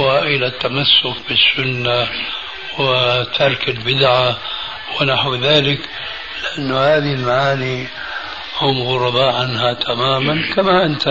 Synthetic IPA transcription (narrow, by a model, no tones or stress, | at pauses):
aʔɪlat̪ːamasːʊkbɪsːʊnːa | wɪt̪ʰɑɾˤkɪlbɪd̪ʕa | wɪnaħwðaːlɪk | lɪʔanːʊhaːðilmaʕaːni | hʊmːɣʊɾˤɑbaʕanhat̪ʰamaːmankamaʔɪnt̪